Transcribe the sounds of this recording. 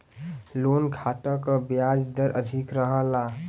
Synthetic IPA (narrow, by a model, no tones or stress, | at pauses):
lonkʰat̪ə̃kəbjad͡ʒd̪əɾʔə̰d̪ʱikɾəɦə̃la